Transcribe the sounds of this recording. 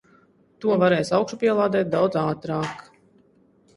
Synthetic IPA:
t̪uɔvaɾɛːjsawkʃupʲiɛlˠaːd̪ɛːt̪̚d̪awd̪zaːt̪ɾɑːk

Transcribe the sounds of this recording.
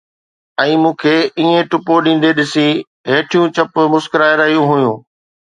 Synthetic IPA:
ɛ̃ːmũːkʰeːiːẽʈʊpoɗĩːn̆d̪eɗɪsi | ɦeːʈʰijũt͡ɕɐpʊmʊskəɾaːɪɾaːjũɦʊjũː

